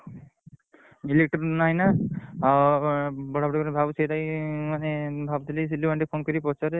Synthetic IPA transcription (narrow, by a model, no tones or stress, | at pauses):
ilek̚ʈɾnaɦjna | bɔɽabɔɽakɔɾebʱabsed̪ajmanebʱabt̪ilis̬ilːibaɳɖipʰonkɔɾipɔt͡ʃɔɾe